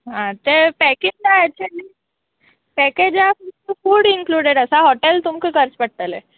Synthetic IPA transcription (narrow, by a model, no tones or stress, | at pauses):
ɦãt̪epɛked͡ʑlaɛk̚t͡ɕuəliː | pɛked͡ʑafuəfuːɽiŋkluɽeɽəsaɦɔʈelt̪umkəkəɾət͡spəɽt̪əle